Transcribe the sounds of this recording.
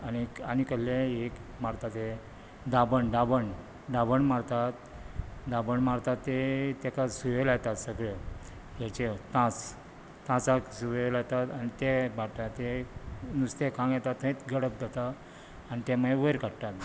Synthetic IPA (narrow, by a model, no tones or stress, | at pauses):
anianikəllẽekmaɽt̪at̪e | d̪abəɳɖabəɳ | ɖabəɳmaɽt̪at̪d̪abəɳmaɾt̪at̪ːet̪ɛkasuʋelajt̪at̪səɡɭe | at͡ɕet̪ãt͡s | t̪ãt͡saksuʋelajt̪at̪anit̪ebaɽt̪at̪ːenust̪ekʰãŋɡjɛt̪at̪ːə̃it̪ɡəɽəp̚d̪at̪aː | nit̪eməeʋəjɾkaɽʈ̪at̪